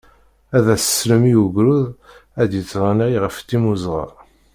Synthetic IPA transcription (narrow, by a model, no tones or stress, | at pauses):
æðæsə̥sləmijuɡɾuð | æd̪jət͡sːɾˤɑniʁjʁəft̪ːimuzʁɑ̰